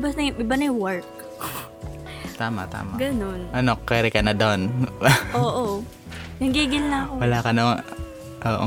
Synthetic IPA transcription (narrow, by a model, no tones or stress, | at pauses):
bɐsnɐɪbɐnɐjwɐɹk̚ | t̪aːmɐ̰t̪a̰ːmɐɡɐnonʔɐnokɛːɾɪkɐnɐd̪onʔoːʔo | nɐŋɡiɡɪnlɐɐkowɐlaːkɐno | ʔoːʔo̰